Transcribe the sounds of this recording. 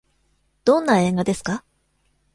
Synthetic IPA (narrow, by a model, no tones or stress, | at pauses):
d̪̥õ̞nːae̞ːɡad̪e̞sɨ̥ka